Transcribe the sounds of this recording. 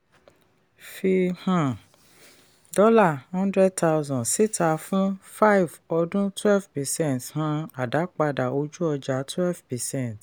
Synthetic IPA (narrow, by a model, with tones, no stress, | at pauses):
fi˧hã˨ | dɔ˦la˦˨hɔ̃˦ndɾɛ˦d̚ta˧˦zɔ̃˨si˦tʰa˧fũ˦fa˦i˨vɔ˧dũ˦twɛ˦lvpɛ˨sɛ̃˦nthã˧a˨da˨˦k͡pa˧da˨o˧d͡ʒu˦ɔ˧d͡ʒa˨˦twɛ˦lvpɛ˨sɛ̃˦˨t